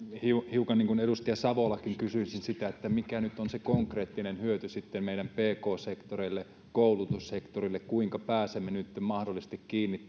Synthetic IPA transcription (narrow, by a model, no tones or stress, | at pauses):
hiuhiukɑnniːŋkuneɾust̪iɑsɑʋolɑkiŋkysyinsinsit̪æet̪ːæmikænyt̪ːonsekoŋkreːt̪ːinenhyøt̪ysit̪ːemmeiɾæmpeːkoːsekt̪oreilːe | koulut̪ussekt̪orilːekkuiŋkɑpæːsemːenyt̪ːmɑhdolːˑist̪ikkiːnːi